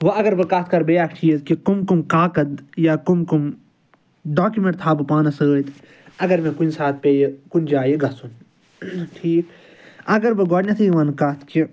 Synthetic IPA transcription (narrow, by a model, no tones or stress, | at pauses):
ʋɐɐɡɐɾbɨkɐt̪ʰkɐɾbejaːkʰʈʰiːt̪kikumkumkaːkɐd̪jakumkum | ɖaːkumẽɳʈt̪ʰaːbɨpaːnɐsət̪ʰ | ɐɡɐɾmẽkunsaːt̪̚ʰpejekund͡ʒaːjeɡɐsun | ʈʰiːk | ɐɡɐɾbɨɡɔːɽnʲɐt̪ʰɨjiʋɐnkɐt̪ʰki